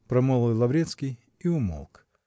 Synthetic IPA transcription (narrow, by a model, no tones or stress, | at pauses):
pɾɐmɔlˠɔjlˠɐvɾʲet̪skʲij | iʊmo̰lˠk